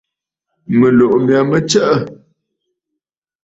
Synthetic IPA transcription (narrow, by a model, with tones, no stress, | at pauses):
mə˨lo˨ʔmja˨mə˦t͡ʃə˦ʔə˦˨